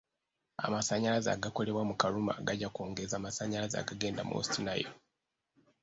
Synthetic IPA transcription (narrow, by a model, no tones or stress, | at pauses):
a̰masaɲaɾaza̰ɡako̞le̞βwamukaɾuma̰ɡaɟakoːŋɡezaːmasaɲaɾaza̰ɡaɡe̞ːndamo̰stinajo̰